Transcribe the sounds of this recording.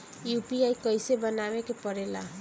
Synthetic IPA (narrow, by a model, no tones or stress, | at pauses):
jupiaikəjsebənaʋekepəɾela